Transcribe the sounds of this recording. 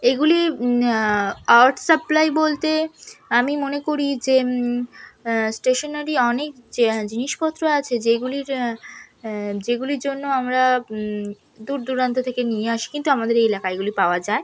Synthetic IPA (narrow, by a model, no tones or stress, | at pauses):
eɡuli | aɾʈsəplajbolt̪eamimonekoɾid͡ʑe | sʈeʃonaɾiɔnek̚d͡ʑiniʃpɔt̪ːɾoat͡ɕʰed͡ʑeɡuliɾ | d͡ʑeɡuliɾd͡ʑonːoamɾa | d̪uɾd̪uɾant̪ot̪ʰekenijeaʃi̥kint̪uamad̪eɾeelakaeɡulipaoad͡ʑae